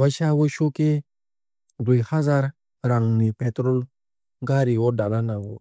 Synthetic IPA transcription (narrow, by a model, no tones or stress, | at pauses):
waʃawoʃoke | duhazaɾ | ɾaŋnipɛtɾol | ɡaɾiwɔdalanaɡo̰